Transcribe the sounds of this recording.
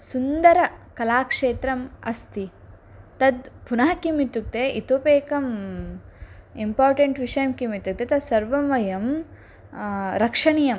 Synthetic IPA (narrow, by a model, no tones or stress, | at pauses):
sund̪ɐɾɐkɐlaːkʂeːt̪ɾɐmɐ̰st̪i | t̪ɐd̪punaːɦɐkimit̪uk̚t̪eʔit̪oːpeːkɐm | impaːɾʈeɳʈʋiʂɐjɐmkimit̪uk̚t̪et̪ɐd̪sɐɾʋɐmɐjɐm | ɾɐkʂɐɳijɐm